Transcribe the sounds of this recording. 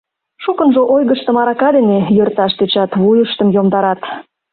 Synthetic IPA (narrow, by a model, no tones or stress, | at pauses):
ʃukə̆nʒoʔojɣəʃt̪ə̆mɑɾɑkɑd̪enejørt̪ɑʃt̪et͡ɕɑt̪βujəʃt̪əmjomd̪ɑɾɑt̪